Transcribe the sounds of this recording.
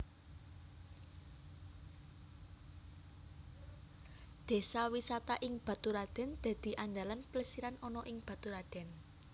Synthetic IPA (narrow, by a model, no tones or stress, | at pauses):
d̪̥e̤sawisat̪aʔɪŋb̥a̤t̪uɾad̪̥ɛ̤nd̪̥ä̤d̪̥i̤ʔaɲd͡ʒalanpləsiɾanʔɔnɔʔɪŋb̥ä̤t̪uɾad̪̥ɛ̤n